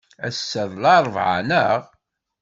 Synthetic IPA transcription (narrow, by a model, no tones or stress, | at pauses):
æsːəðlɑɾˤvʕa̰nəʁ